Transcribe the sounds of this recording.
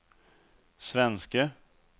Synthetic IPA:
svɛnskə

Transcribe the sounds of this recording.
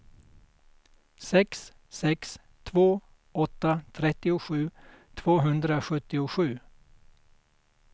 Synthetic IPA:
sɛksː | ɛks | t̪ʰvoː | ɔt̪ːat̪ʰɾɛt̪ːɪʊɧʉ̟ːt̪ʰvoːɦɵnd̪ɾaɧɵt̪ːɪʊɧʉ̟ː

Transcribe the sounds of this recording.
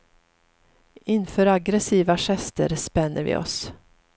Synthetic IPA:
ɪnfœːɾaɡɾɛsiːvaʂɛst̪ə̰ɾspɛnːəɾvɪ̰ɔ̰s

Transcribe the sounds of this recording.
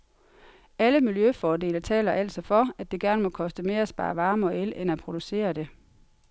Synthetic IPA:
æləmiljøfɒːde̝̰ːlɐt͡sʰɛ̰ːlɐʔæl̰d̥sɒ̽fɒ̽æd̥e̝ɡ̥æɐnəmɒ̽kʰɒ̽sd̥əme̝ːɐæsb̥ɑ̰̈ːʋɑ̈ːmɒ̽elenæpʰʁo̝d̥use̝̰ːɐd̥e̝

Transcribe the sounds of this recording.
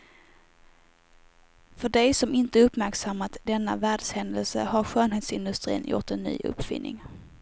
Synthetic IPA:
fœɖɛjsɔmɪnt̪əɵpːmæɾksamːat̪d̪ɛnːa̰væːɖshɛnd̪əlsə̰haɾɧøːnɦeːt̪sɪnd̪ɵst̪ɾḭːnjʊ̰ʈɛnːy̰ːʔɵ̰pfɪ̰nːɪ̰ŋ

